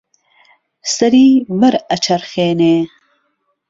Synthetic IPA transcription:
st̪ɐɾiːbəɾɐt͡ʃɐɾxeːneː

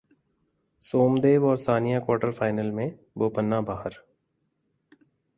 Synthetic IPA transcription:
soːmd̪eːʋɔːɾsaːnijakwaːɾʈəɾfaːɪnəlmẽ | boːpənːabaːɦəɾ

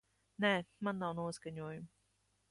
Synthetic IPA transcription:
nɛːmanːawnuɔskaɲuɔjum

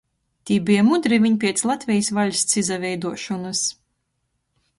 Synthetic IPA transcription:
t̪ʲiːbijamud̪ɾivʲiɲpʲiɛt̪slˠat̪ʲvʲɛjsvalʲst̪sizavʲɛjd̪uɔʃɔnɨs

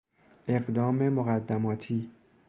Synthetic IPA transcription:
ʔe̞ɢd̪ɒːme̞moɣæd̪ːæmɒːt̪ʰiː

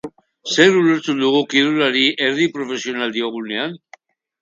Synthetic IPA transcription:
seɾuleɾt͡s̪ud̪uɣukilulaɾiʔeɾðipɾofesionald̪ioɣunean

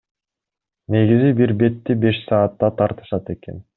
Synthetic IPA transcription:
ne̞ɡizibiɾbe̞t̪ːibe̞ʃsɑːt̪ːɑt̪ʰɑɾt̪ɯ̥ʃɑt̪e̞ke̞̰n

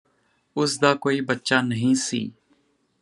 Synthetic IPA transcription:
ʊsd̪aːkoːiːbətːʃaːnəɦĩːsḭː

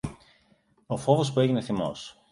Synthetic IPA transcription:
o̞fo̞vo̞spue̞ʝine̞θimo̞̰s

